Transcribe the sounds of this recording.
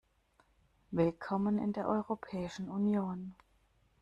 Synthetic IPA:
vɪlkʰɔmənɪ̰ndeːɐʔɔʏʁopʰɛːɪʃn̩unjoːn

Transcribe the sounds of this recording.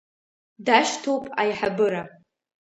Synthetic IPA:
daʃtʰowpʼa̰jħabɨɾa

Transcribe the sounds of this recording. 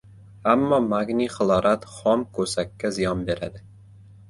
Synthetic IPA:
amːɒmaɡniχɨlˠɒɾat̪χɒmkʰɵsakʲʰːazɪjɒnbe̞ɾad̪ɪ

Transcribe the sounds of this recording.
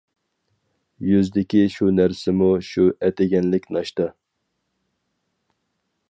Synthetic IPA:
jyzd̪ɪkʲiʃunæɾsɪmuʃuɛt̪ɪɡʲɛnlɪkʲnɑʃt̪ɑ

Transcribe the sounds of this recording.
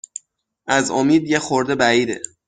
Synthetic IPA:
ʔæzo̰miːd̪jexoɾd̪e̞bæiːd̪ḛ

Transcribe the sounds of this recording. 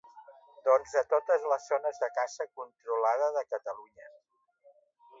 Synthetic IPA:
d̪ɔnzðət̪ot̪əzləzːonəzðəkasəkunt̪ɾulaðəðəkət̪əluɲə

